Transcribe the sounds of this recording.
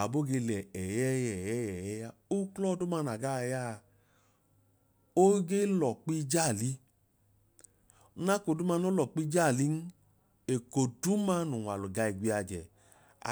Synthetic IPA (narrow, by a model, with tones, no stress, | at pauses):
a˨bo˦ɡe˧lɛ˨ɛ˨jɛ˦jɛ˨jɛ˦jɛ˨jɛ˦ja˧o˦klɔ˦du˦ma˧na˨ɡa˦˧˨ja˦˧ | o˦ɡe˦lɔ˨k͡pi˦d͡ʒa˦˨li˦ | na˦ko˨˧˦du˦ma˧no˦lɔ˨k͡pi˦d͡ʒa˦˨li˦n̩˦ | e˨ko˨du˨˦ma˧˦nu˨a˨lu˨ɡa˧i˨ɡʷi˧a˧d͡ʒɛ˨ | a̰˨